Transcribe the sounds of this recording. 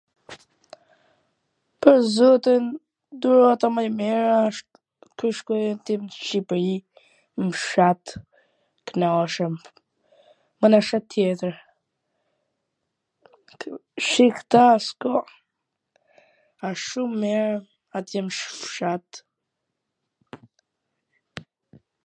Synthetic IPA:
pəɾzɔt̪in | d̪uɾɔat̪amajmɛɾaʃt̪ | kuʃkɔjɛnt̪imʃipɾi | mʃat̪ | knaʃəm | manaʃat̪jɛt̪əɾ | ʃixt̪askɔ | aʃumɛɾ | at̪jɛmʃfʃat̪

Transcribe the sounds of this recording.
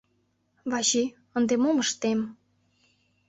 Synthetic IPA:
βɑʃi | ənd̪emoməʃt̪em

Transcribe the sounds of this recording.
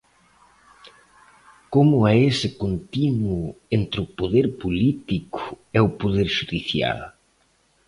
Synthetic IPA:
komʊaesɪkont̪inwʊent̪ɾɪʊpoðeɾpolit̪ikʊ̥ɛʊpoðeɾʃuðiθja̰l

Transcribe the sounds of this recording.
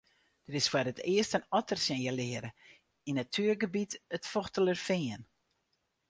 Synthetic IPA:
d̥əɾɪsfwaɾətɪəstənɔtərsjɛnjəlɪəɾə | inatʰyːərɡəbitətfɔxtələrfɪən

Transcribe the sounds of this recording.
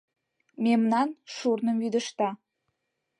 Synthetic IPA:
memnɑnʃurnəmjyd̪əʃt̪ɑ

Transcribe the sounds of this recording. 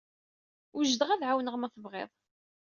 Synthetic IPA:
ʊʒd̪əʁæðʕawnəʁmæθəvʁḛðˤ

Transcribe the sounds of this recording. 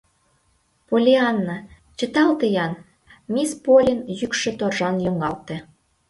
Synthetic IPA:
polʲeɑnːɑ | t͡ɕə̆t̪ɑlt̪əjɑn | mispolʲənjykʃĕt̪orʒɑnjoŋɑlt̪ĕ

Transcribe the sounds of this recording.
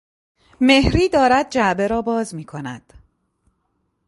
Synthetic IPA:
me̞hɾiːd̪ɒːɾæd̪̚d͡ʒæbe̞ɾɒːbɒːzmiːkʰo̞næ̰d̪̥

